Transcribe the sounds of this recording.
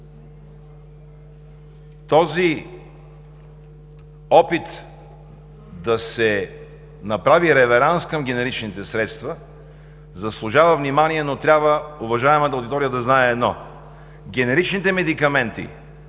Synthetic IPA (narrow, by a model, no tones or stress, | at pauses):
t̪ɔzi | ɔpit̪ | d̪ɐsɛ | nɐpɾaviɾɛvɛɾanskəmɡ̟ɛnɛɾit͡ʃnit̪ɛsɾɛt̪st̪və | zɐslˠʊʒavəvnimaniɛnot̪ɾʲabvəʊvɐʒaɛmət̪ɐʊd̪it̪ɔɾijəd̪ɐznaɛːd̪nɔ | ɡʲɛnɛɾit͡ʃnit̪ɛmɛd̪ikɐmɛnt̪ḭ